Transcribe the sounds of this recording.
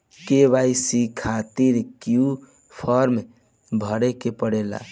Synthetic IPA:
keβajsikʰat̪iɾkiju | pʰɔɾm | bʱəɽekepəɽela̰

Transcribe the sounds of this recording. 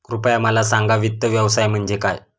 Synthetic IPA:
kɾupjaməlasaŋɡaʋit̪ːəʋjəʋsajm̤əɳd͡zekaj

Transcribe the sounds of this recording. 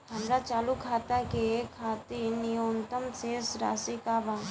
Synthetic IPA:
ɦɐmɾat͡ʃaːlukʰaːt̪akeekʰːaːt̪inijoːnt̪əmseːsɾa̰ːsikabã

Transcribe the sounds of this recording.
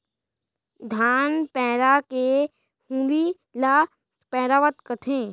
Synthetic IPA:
d̪ʱaːnpɛːɾake | hũːɾi | la | pɛːɾaʋət̪kət̪ʰẽː

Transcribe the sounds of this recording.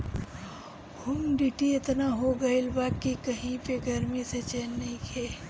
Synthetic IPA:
hʊmɖiʈiɪt̪naɦoɡɐɪlbaːkikɐɦĩpeɡɐɾmiset͡ʃeːnːɐɦĩkʰeː

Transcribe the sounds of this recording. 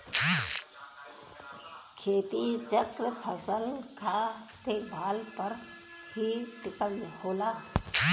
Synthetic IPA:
kʰeːt̪it͡ʃəkɾəpʰəsəlkʰaː | t̪eːbʱaːlpəɾ | bʱiʈɪkəlnhoːlaː

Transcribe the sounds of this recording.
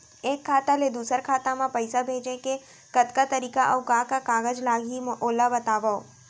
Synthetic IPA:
ekʰːat̪aled̪usəɾkʰat̪amãpəjsabʱed͡ʒeke | kət̪kat̪əɾikaʔəwkãkakaɡəd͡ʒlaɡimʔolabət̪aʋəo

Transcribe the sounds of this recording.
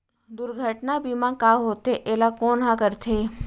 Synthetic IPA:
d̪ʊɾɡʱəʈnabimãkaɦoːt̪eʔeːlakoːnɦãkəɾt̪ʰeː

